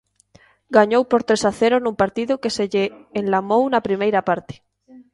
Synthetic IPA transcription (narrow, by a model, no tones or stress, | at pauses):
ɡaɲowpoɾt̪ɾesaθeɾonũmpaɾt̪iðokeseʎeːnlamownapɾimejɾapaɾt̪e̥